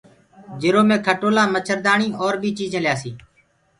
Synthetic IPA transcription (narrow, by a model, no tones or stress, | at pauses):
d͡ʒɪɾoːmẽːkʰəʈoːlãːmət͡ʃʰəɾd̪aːɳiːʔɔːɾbʱiːt͡ʃiːzə̃ljaːsiː